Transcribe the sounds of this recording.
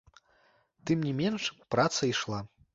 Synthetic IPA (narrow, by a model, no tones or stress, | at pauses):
t̪ɨmnʲimʲɛnʂpɾat̪sɐiʂlˠa